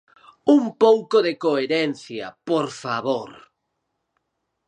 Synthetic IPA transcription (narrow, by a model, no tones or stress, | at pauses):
umpowkoðekoeɾɛnθjɐ̰poɾfaβoɾ